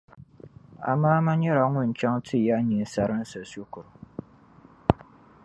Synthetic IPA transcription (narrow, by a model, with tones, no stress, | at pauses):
a̰˨maː˦ma˦ɲɛ˦ɾa˨˦ŋʊ˦n̩˨t͡ʃa˦ŋtʰɨ˦ja˦ʔɲi˨n˨sa˦ɾɨ˦n̩˦sa˨so˦kʊ˨ɾ